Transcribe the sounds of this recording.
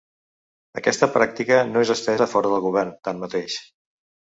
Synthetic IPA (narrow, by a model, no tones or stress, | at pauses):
ə̰kɛst̪əpɾak̚t̪ikənoezəsp̪ɛzəfɔɾəðəlˠɣuβ̞ɛrnt̪anmət̪eʃ